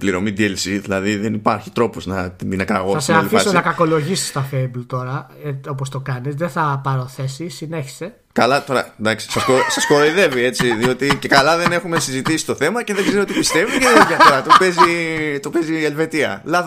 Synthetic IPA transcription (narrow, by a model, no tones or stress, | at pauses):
pliɾo̞mid̪ielsiðilɐðiðenipɐɾçi̥t̪ɾo̞poznɐt̪iinɐkɾɐɣɐseɐlifisonɐkɐko̞lo̞ʝisi̥st̪ɐfeiblt̪o̞ɾɐ | eo̞p̬ost̪o̞kɐnisðeθɐpɐɾoθe̞sisineçi̥se̞ | kɐlɐt̪o̞ɾɐ̰d̪ɐksi̥sɐskosɐsko̞ðeiðe̞vie̞t͡siðio̞t̪ice̞kɐlɐðe̞ne̞xume̞sizit̪isi̥t̪o̞θe̞mɐceðeɡzeɾniot̪ipist̪e̞vuceðeijɐfoɾɐt̪opezit̪ope̞zielve̞t̪iɐ̰lɐð